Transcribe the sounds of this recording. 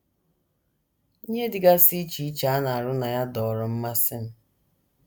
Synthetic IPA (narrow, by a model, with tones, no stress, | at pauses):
i˦ɲe˦dɪ˨ɡa˦si˦t͡ʃi˦t͡ʃa˨˦a˦na˨a˨ɾʊ˦na˨ja˦dɔ˨ɾɔ˨m̩˦ma˦sɪ˦n̩˦